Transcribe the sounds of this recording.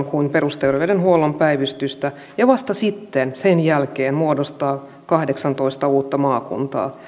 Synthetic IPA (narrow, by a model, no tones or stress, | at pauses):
ŋkuimpe̞rust̪erʋedenɦuolompæiʋyst̪yst̪æ | jɑʋɑst̪ɑsit̪ːensenjælkeːnmuodost̪ɑː | kɑhdeksɑnt̪o̞ist̪ɑuːt̪ːɑmɑːkṵnt̪ɑ̰ː